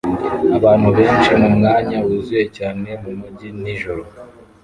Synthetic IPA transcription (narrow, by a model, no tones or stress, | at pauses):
aβaːn̥huβe̞ːnt͡ʃinumŋaːɲawuzuje̞caːne̞mumuɟiniʒoɾo